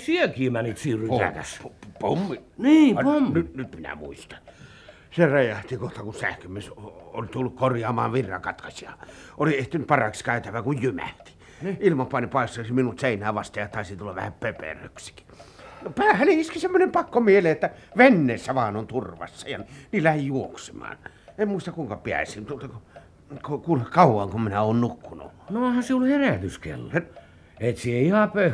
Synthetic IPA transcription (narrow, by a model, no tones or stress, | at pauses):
siekiːmænit̪siːrypæk̪æ̰sppomːiniːɑonynyt̪minæ̰mṵist̪ɑ̥n | serejɑht̪ikoht̪ɑkunsæ̰hkømieso̰lʲt̪ulːukkorjɑːmɑːʋʋirːɑ̰kɑt̪kɑsiɑolieht̪ynyt̪pɑrɑkskæˑyt̪æʋækujjymæ̰ht̪i̥ | ilmɑpɑnipɑˑest̪oisiminut̪seˑinæːʋɑst̪ɑjɑt̪ɑˑisit̪ulːɑʋʋæ̰hæmpepḛrø̰ksi̥ki̥nopæːhæneiskisemːonempɑkːomieleet̪ːæʋenːeːsːæʋɑːnont̪urʋɑ̰sːɑjɑnniːlːææhijuoksemɑ̰ːn | emmuist̪ɑkuiŋkɑpiæ̰sint̪uot̪ɑku | kokulekɑˑuwˑɑŋkumminæoːnnukːunṵnoohɑsiulheræˑt̪yskḛlːo | et̪sieihɑpø